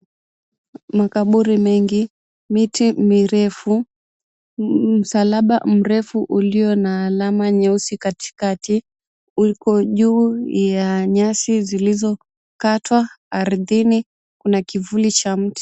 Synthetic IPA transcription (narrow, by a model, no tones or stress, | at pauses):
makaɓuɾimɛŋɡi | mitimiɾɛfu | m̩salaɓa̰m̩ɾɛfuʔuliɔnaːlamaɲɛusikati̥kati | ukɔʄuːjaɲasizilizɔ | katwaː | ɾðini | kunakivulit͡ʃam̩ti̥